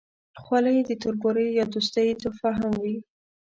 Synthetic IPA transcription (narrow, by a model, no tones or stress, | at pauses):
xwalajd̪ət̪ʊɾboɾejɑd̪us̬t̪əjt̪ofaɦamwi